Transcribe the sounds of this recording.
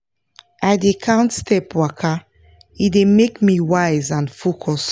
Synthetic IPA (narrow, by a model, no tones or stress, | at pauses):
aɪdekʰãntstɛpwakʰa | idemekmiwaɪzãnfokʰɔs